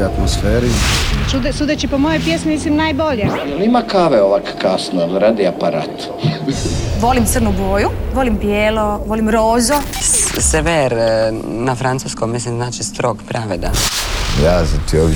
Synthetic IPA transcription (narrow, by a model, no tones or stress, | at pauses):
at̪mosfeːɾit͡ʃud̪sud̪et͡ʃipomojojpjesmimislimnaːjboʎejelimakaːʋeoʋakkasnolɾaːd̪iapaɾa̰ːt̪ | iʋo̞limt̪sərnuɡoːjuʋo̞limpjeːlo̞ʋolimɾoːzoseʋeɾnafɾant̪suːskomːmislimznaːt͡ʃist̪ɾoɡpɾʔaʋed̪a̰jaːzat̪ioʋ